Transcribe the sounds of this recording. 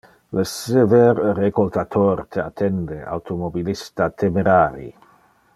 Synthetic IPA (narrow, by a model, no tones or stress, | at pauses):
ləseveɾːekolt̪at̪ʰoɾt̪ʰat̪ʰɛnd̪ea̰wt̪ʰomobilist̪at̪ʰemeɾaːɾḭ